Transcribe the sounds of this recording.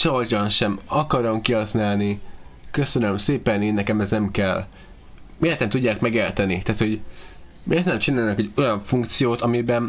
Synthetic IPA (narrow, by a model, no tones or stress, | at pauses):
t͡ʃord͡ʒɒnʃɛmɒkɒɾomkiɦɒsnaːlnikøsønømseːpɛneːnːɛkɛmɛznɛmkɛlː | meːlt̪ɛmt̪uɟːaːkmɛɡeːrt̪ɛnit̪ɛːt̪hoɟ | meːrt̪nɛmt͡ʃinaːlnɒkɛɟo̞jɒɱfuŋkt̪sijoːt̪ɒmibɛn